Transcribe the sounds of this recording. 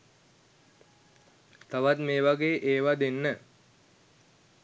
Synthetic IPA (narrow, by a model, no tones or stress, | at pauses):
t̪aʋat̪meːʋaɡeːʔeːʋad̪enːə